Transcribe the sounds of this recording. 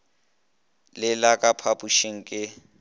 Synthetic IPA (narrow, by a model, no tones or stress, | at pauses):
lɪlakʼapʰapʼuʃiŋ̩kʼɪ